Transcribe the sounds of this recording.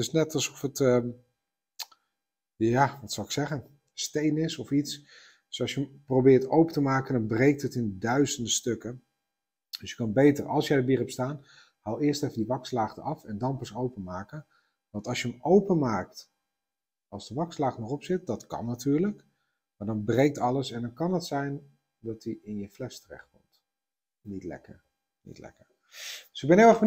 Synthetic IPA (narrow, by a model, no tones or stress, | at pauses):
tɪsnɛtɑlˠsɔfətə | jaʋɑtsɑlˠɪksɛχən | stejnɪsɔfits | d̥øsɑlˠsjəmprowbɪːrtowpətəmaːkəndɔnbrejk̚tətɪndidœɥzəndəstøkə | d̥əsjə̥kɑnbejtərɑ̰lˠsjəjdəbiːrəpstaːn | haːlˠɪːrstɛfəndiʋɑkslaːχtəʔɑfɛndɑnpəsowpənmaːkə | ʋɑntɑlˠsjəəmowpənmaːk̚t | ɑlˠzdəʋɑkslaːχtənɔχɔpsɪt̚dɑtkɑ̰nːatyːɹlək | maːɹdɑnbrejk̚tɑləsɛndɑnkɑnɦətsɛjn | dɑtiɪnjəflɛstərɛ̰χtkɔ̰mt | nitlɛ̰kə̰ɹ | nḭtlɛ̰kəɹ | d̥ɵ̥sɪɡ̚bɛnɦɪlˠɛχbə